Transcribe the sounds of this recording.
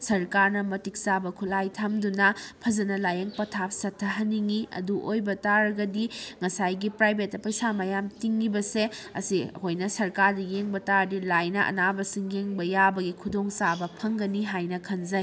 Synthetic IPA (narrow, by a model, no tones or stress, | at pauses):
sɐɾkaɾnɐmɐtik̚sabɐkʰulajtʰamdunɐpʰɐzɐnɐlajɐŋpɐtʰap̚sɐtʰːɐɦɐnːiŋiɐ̰duʔojbɐtaɾɡɐdiŋɐsajɡipɾajbetːɐpɐjsamajamtiŋːibɐseɐ̰sihojnɐsɐɾkaɾdɐjeŋbɐtaɾdilajnɐʔɐ̰nabɐsiŋjeŋbɐjabɐɡikʰudoŋsabɐpʰɐŋɡɐniɦajnɐkʰɐnzɐj